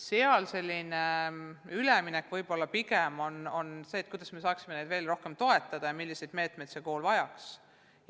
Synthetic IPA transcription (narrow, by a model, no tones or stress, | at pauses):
seɑlse̞lʲːineyleminɛkːˑvɤjb̥o̞lːɑpiɡemo̞no̞nse̞ːt̪̚kujd̪̥ɑsmesɑːksime̞ne̞jd̪̥ve̞ːlro̞hke̞mt̪o̞e̞t̪ːˑɑd̪̥ɑjɑmilːise̞jd̪̥me̞ːt̪me̞jd̪̥se̞ko̞ːlvɑjɑks